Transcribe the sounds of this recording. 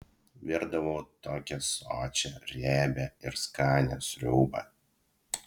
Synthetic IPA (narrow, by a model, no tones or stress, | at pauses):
ʋʲɪɾd̪ɐʋoːt̪oːkʲɛsoːt͡ʃʲɛɾʲæːbʲɛɪɾskɑːnʲɛsʲɾʲuːbɐ̰